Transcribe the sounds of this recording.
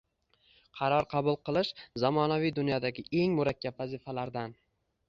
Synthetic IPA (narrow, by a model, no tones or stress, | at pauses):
qʰɑɾɒɾqʰɑbʊlˠqɨlˠɪʃzɒmɒnavijd̪ʊnjɒd̪aɡʲɪʔe̞ŋmʊɾakʲʰːabvazɪfalaɾd̪an